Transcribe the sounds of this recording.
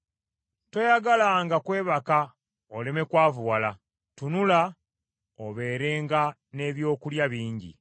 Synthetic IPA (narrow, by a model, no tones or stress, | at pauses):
to̞jaɡalaŋɡakwe̞ːβaka | ole̞me̞kwaːvuwala | tunula | oβe̞ːɾeːŋɡa | ne̞βjo̞ːkuljaβiːɲɟḭ